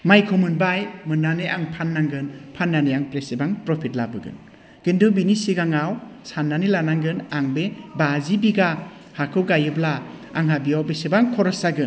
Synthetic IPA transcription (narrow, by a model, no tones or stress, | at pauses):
majkʰomɯnbajmɯnːaneʔaŋpʰanːaŋɡɯnpʰanːanejaŋpɾesebaŋpɾɔpʰit̚labɯɡɯ̰n | ɡ̥indubinisiɡaŋawsanːanilanaŋɡɯnaŋbebazibiɡa | hakʰɯwɡajɯbla | a̰ŋɦabijawbesebaŋkʰɔɾɔsaɡɯn